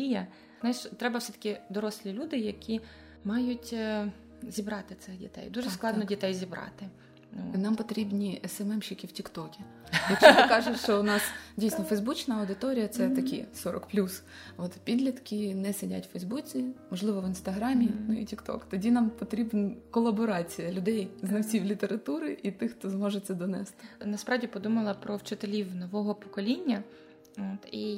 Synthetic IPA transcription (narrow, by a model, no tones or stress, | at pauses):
ijɐ | nʃt̪ɾɛbɐwsɛt̪ɐ̥kʲɪd̪ɔɾɔsʲlʲilʲud̪ɪjɐkʲi | mɑjʊtʲ | zʲibɾɑt̪ɪt̪sɪxdʲḭt̪ɛ̰jd̪uʒɛsklˠɑd̪nɔdʲit̪ɛjzʲibɾɑ̰t̪ɪ | nunɑmpɔt̪ɾʲibnʲisɛmɛmʃʲikʲiwtʲikt̪ɔkʲi | jɐt͡ʃjɪkɑʒʊʃt͡ʃɔʊnɑsdʲijsnɔfɛjzbut͡ʃnɐɐwd̪ɪt̪ɔɾʲijɐt̪sɛt̪ɐkʲḭsɔɾɔ̰kplʲus | ot̪pʲid̪lʲɐt̪kʲɪnɛsedʲa̰tʲwfɛjzbut͡sʲimɔʒlˠɪʋɔʋɪnst̪ɐɦɾɑmʲinuḭtʲikt̪ɔ̰kt̪ɔdʲinɑmpɔt̪ɾʲibnɐkɔlˠɐbɔɾɑt͡sʲijɐlʲʊd̪ɛjznɐwt͡sʲiwlʲit̪eɾɐt̪uɾɪʔit̪ɪxt̪ɔzmɔʒet͡sʲːɐd̪ɔnɛ̰st̪ɪ̥nɐspɾɑwdʲipɔd̪umɐlˠɐpɾɔwt͡ʃɪt̪elʲiwnɔʋɔɦɔpɔ̥kɔlʲinʲːɐ | oːt̪i